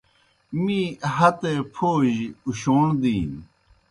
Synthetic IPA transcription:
mĩːɦɐt̪epʰoːʑuɕoːɳd̪iːn

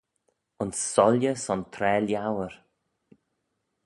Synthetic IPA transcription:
ʊnsːɔljəsɔnt̪ʰɾɛːljawəɹ

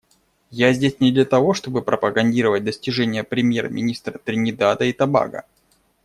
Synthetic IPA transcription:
jazʲdʲesʲnʲɪd̪lʲət̪ɐvo̞ʂt̪o̞bɨpɾəpəɡɐnʲdʲiɾəvət̚ʲd̪əsʲtʲɪʐɛnʲɪjəpɾʲɪmʲjermʲɪ̰nʲist̪ɾət̪ɾʲɪnʲɪd̪ad̪əit̪ɐba̰ɡə̰

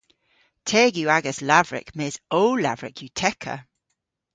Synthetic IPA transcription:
tʰɛːɡjuaɡəslavɹɪ̰kmɛːzoʊla̰vɹɪ̰kʰjutʰɛkʰə̰

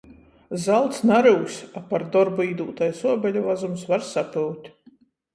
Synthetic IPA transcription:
zalˠt̪snaɾuwsʲapaɾd̪ɔɾbuiːd̪uːt̪ajsuɔbʲɛlʲuvazumsvaɾsapɨwt̪ʲ

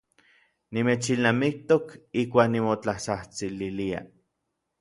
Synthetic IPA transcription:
nimeːt͡ʃilnamik̚t̪okihkʷaːknimot͡ɬahsaht͡sililia̰

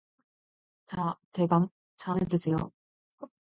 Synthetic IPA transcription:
t͡ɕateɡam | t͡ɕʰanɯt͈ɯsʰejo̰

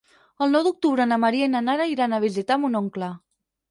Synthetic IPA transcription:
əlˠnɔwd̪uk̚t̪uβɾənamaɾiainanaɾaiɾanaβ̞izit̪amunoŋkla

